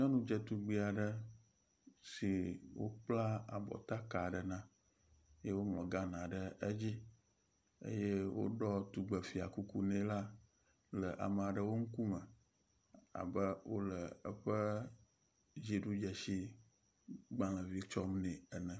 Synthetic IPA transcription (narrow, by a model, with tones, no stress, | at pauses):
ɲɔ̃˦nũ˦d͡ʒɛ˨t̪u˨ɡ͡bi˨a˨ɖə˦ | si˨wo̰˦k͡pla˦a̰˨bɔ̰˨t̪a˦ka˨ɖə˨nã˦ | je˦wo˦ŋlɔ̃˨ɡa˦nã˨ɖə˦ə˦d͡ʑi˦ | ḛ˦je˦wo̰˦ɖɔ˦t̪u˨ɡ͡bə˨fi˨a̰˨ku˦ku˦nẽ˦la˦ | lə˨ʔa̰˨m˨a˨ɖə˨wo˦ŋ̩˦ku˦mə̃˨ | a̰˨bə˦wo˦lə˨ə˦ɸə˦ | d͡ʑi˨ɖu˦d͡ʒɛ˨si˦ | ɡ͡bã˨lə̃˨vi˦t͡ʃɔ˦mnɛ̃˨ɛ˨nɛ̃˨